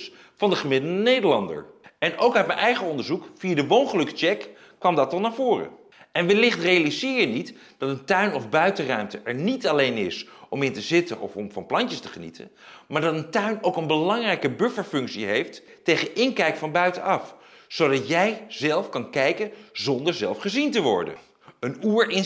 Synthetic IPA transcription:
s | fɑndəχəmɪdəl̩ˠdənejdəɹlɑndə̰ɹɛnowkœt̚mɛnʔɛjχəɔndəɹzukfiadəʋownχəlɵkə̥t͡ʃɛkː | ʋɑmdɑtɑlˠnaːɹvʊːrə̰ | ɛnʋəlɪχtrejalizɪːjənit | d̥ɑtəntœɥnɔvbœɥtərœɥmtəɛɹnitɑlejnɪsɔmɪntəzɪtənʔɔ̰fɔmfɑ̰nplɑɲcəstəχənḭtʰə̰n | maːɹdɑtəntœɥnowkənbəlɑŋrɛjkəbɵfəɹfɵŋksiɦejftː | ejχənɪŋkɛjkfɑnbœɥtənɑfsowdɑtjɛjz̥ɛlˠfkɑnkɛjkənzɔndəɹzɛ̰lˠfχəzintəʋɔ̰ɹdə̰n | ənuːɹɪn

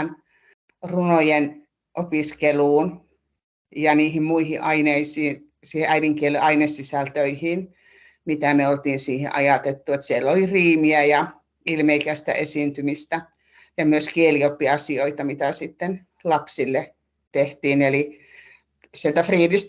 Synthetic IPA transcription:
n | runojen | ʔopiskeluːn | jɑniːhimmuihiʔɑineisiːn | siːheʔæiniŋkieleɑinesːisælt̪øihiːn | mit̪æmeolt̪iːnsiːhḛʔɑjɑt̪et̪ːuet̪sielːoliriːmiæjɑ | ilmeikæst̪æ̰ʔesint̪ymist̪æ | jɑmyøskieliopːiɑsioit̪ɑmit̪æsit̪ːen | lɑpsilːe | t̪eht̪iːneli | sielt̪æfriːdist̪

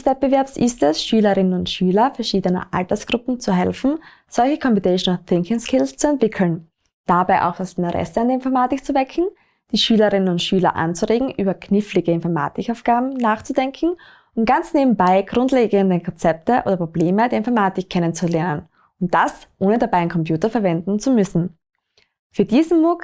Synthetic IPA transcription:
sv̥ɛt̚bəvɛɐpsʔɪstɛsʃyːlɐʁɪnənʊntʃyːlɐfɛɐʃiːdənɐ̰ʔa̰ltɐsɡ̥ʁʊpm̩t͡suɦɛlfn̩ | z̥ɔlçəkʰɔmpɪneʃnθɪŋkɪŋskʰɪlst͡suɛntv̥ɪkʰl̩n | d̥abaɪʔa̰ʊxd̥asɪntəʁɛ̰səandeːɐɪnfɔɐmaːtɪkt͡suvɛkʰŋ̩ | d̥iːʃyːlɐʁɪnənʊntʃyːlɐ̰ʔa̰nt͡suʁeːɡŋ̩ʔyːbɐkʰnɪflɪɡəɪnfɔɐma̰ːtɪkaʊfɡ̥aːbm̩naːχt͡sudɛŋkn̩ | ʊnt̚ɡ̥ant͡sneːbm̩baɪɡ̥ʁʊntleːɡəndəkʰɔnt͡sɛp̚təʔo̰ːdɐpʁ̥obleːmədeːɪnfɔɐmaːtɪkʰːɛnənt͡sulɛɐnən | ʊnt̚d̥asʔoːnədabaɪɪnkʰɔmpjuːtɐfɛɐvɛndn̩t͡sumʏsn̩ | fyːɐdiːzn̩mʊk

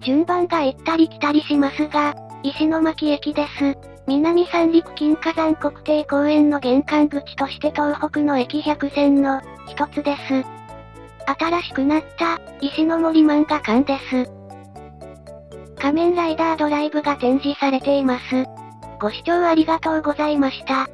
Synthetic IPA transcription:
d͡ʑɨ̃mbãŋɡaet̪ːaɾʲikʲi̥t̪aɾʲiɕimasɨɡa | iɕino̞makʲie̞kʲid̪e̞sɨ | mʲinamʲisãnɾʲik̟kːʲĩŋkazãŋko̞kɯ̟̥t̪e̞ːɡo̞ːẽ̞nːo̞ɡẽ̞ŋkãŋɡɯ̟kʲi̥t̪o̞ɕi̥t̪e̞t̪o̞ːho̞kɯ̟no̞e̞kʲiçʲakɯ̟zẽ̞nːo̞ | çi̥t̪o̞t͡sɨd̪e̞sɨ | at̪aɾaɕi̥kɯ̟nat̪ːaiɕino̞mo̞ɾʲimãŋɡakãnd̪e̞sɨ | kamẽ̞ɾaid̪aːd̪o̞ɾaibɯ̟ɡat̪ẽ̞ɲ̟d͡ʑisaɾe̞t̪e̞imasɨ | ɡ̥o̞ɕi̥t͡ɕo̞ːaɾʲiɡat̪o̞ːɡo̞zaimaɕi̥t̪a

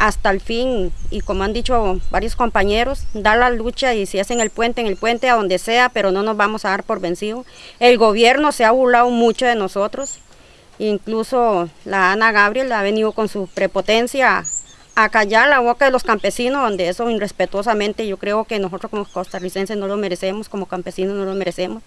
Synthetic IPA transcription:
ast̪alfinikomoand̪it͡ʃobaɾjosko̞mpaɲe̞ɾosd̪alalut͡ʃaisiaseŋelpwe̞nt̪eːŋelpwent̪e̞aðo̞nd̪eseape̞ɾono̞nozβamosaðaɾpo̞ɾβensiðoe̞lɡoβ̞jeɾnoseaβuɾlaðomut͡ʃoðenosot̪ɾos | iŋklusolaanaɣaβ̞ɾje̞laβe̞niðoko̞nsupɾe̞pot̪ensjaː | kaʝaɾlaβokaðe̞loskampe̞sinozðond̪eesoinre̞spe̞t̪wos̬amẽnt̪eʝo̞kɾeoke̞nosot̪ɾoskomokost̪arise̞nseno̞lome̞ɾese̞mosko̞mokampe̞sinonolome̞ɾese̞mos

